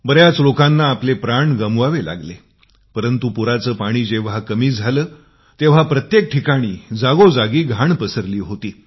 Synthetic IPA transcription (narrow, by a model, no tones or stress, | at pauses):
bəɾjat͡slokãnːaːplepɾaɳɡəmʋaʋela̰ɡle | pəɾənt̪upuɾat͡səːpaɽ̃iːd͡ʑeʋ̤ɦakəmiːd͡zʱaləː | t̪eʋ̤apɾət̪jek̚ʈʰikaɽ̃iːd͡zaɡod͡zaɡiːɡʱaɳpəsəɾliːɦot̪iː